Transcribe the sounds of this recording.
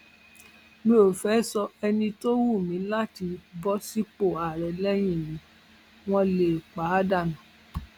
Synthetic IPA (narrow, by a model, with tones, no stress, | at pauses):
mĩ˦o˨fɛ˨˦sɔ˧ɛ˧nĩ˧to˦wu˦˨mĩ˨˦la˦ti˧bɔ˦si˦k͡po˦˨a˨ɾɛ˨lɛ˦j̃ĩ˦˨mĩ˨˦ | w̃ɔ̃˧le˨k͡pa˨˦da˦˨nã˨